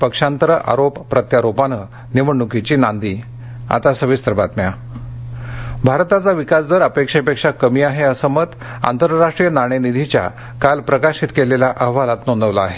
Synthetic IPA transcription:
pəkʂãnt̪ɾəʔa̰ɾoppːɾət̪jaɾopanə | niʋəɳːukit͡ɕinand̪i | a̰t̪asəʋist̪əɾbat̪mja | bʱaɾt̪at͡saʋikasd̪əɾəpekʂepekʂakəmiːaɦeəsəmət̪ | a̰nt̪əɾɾaʂʈɾijənaɽ̃enid̪ʱit͡ɕja̰ | kalpɾəkaɕit̪keleljaʔəɦʋalat̪noɳd̪əʋlaːɦe

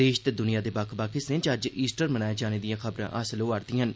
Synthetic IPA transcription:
eːʃt̪ed̪ʊnijaːd̪eːbakʰbaːkisɪ̃nt͡ʃəd͡ʒiːsʈəɾmənaːjːd͡ʒaːneːd̪ijãːkʰəbɾã̰ːʔəsəloːaːɾd̪ĩːɦən

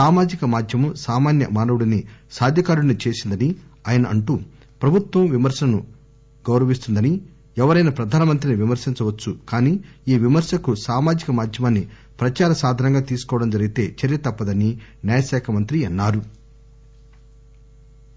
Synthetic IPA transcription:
saːmaːd͡ʒikɐmaːd̪ʱjɐmusaːmaːnjɐ̰maːnɐʋuɽɐnisaːd̪ʱjɐkaːɾuɽɐnit͡ʃe̞ːsind̪ɐniaːjɐnɐʔɐɳʈu | pɾɐbʱut̪ʋɐmʋimɐɾʃɐlɐnu | ɡɐwɾɐʋist̪und̪ɐni | ɛʋɐɾɐjnɐpɾɐd̪ʱaːnɐmɐnt̪̬ɾiniʋimɐɾsiɲt͡ʃɐʋɐt͡ʃːukaːniːiːʋimɐɾʃɐkusaːmaːd͡ʒikɐmaːd̪ʱjɐmɐnːi | pɾɐt͡ʃaːɾɐsaːd̪ʱɐnɐŋɡaːt̪iːsu̥kɔːʋɐɽɐmd͡ʒɐɾiɡit̪e̞ːt͡ʃɐɾijɐt̪ɐpːɐd̪ɐninaːjɐsɛːkʰɐmɐnt̪ɾiɐnːaːɾu

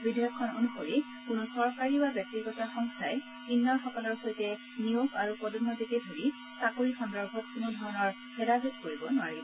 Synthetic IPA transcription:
bidʱijɔkʰːɔno̰nupoɹi | kʊnosɔɹkaɹibabjɔk̚tiɡɔtaxɔŋkʰajɛ | binːɔɹxɔkɔlɔɹxojtɛ | nioɡaɹupɔdunːɔzitedʱoɹi | sakoɹixɔndɔɹbʱɔt̚kunodʱɔɹɔnɔɹ | bɛɾazutkoɹibɔnʊaɹibɔ

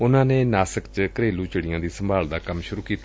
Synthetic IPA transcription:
ʊnãːneːnaːsəkt͡ʃkəɾeːluːt͡ʃəɽɪjãːd̪iːsəmbʱaːld̪aːkəmʃʊɾuːkiːt̪a

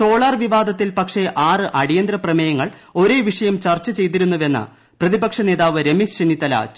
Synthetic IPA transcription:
so̞ːɭɐrʋiʋaːd̪ʱɐt̪ːilpɐkʂe̞ʔaːrɨʔɐɽijɐnd̪ɾɐprɐmɐjɐŋːɐɭ | o̞ɾe̞ːʋiʂɐjɐmt͡ɕɐrt͡ɕːɐt͡ɕe̞jt̪̬iɾunːuʋe̞nːɐ̰ | prɐðibɐkʂɐne̞ːðaːʋɨɾemisɕenːit̪ɐla̰ːt͡ɕ

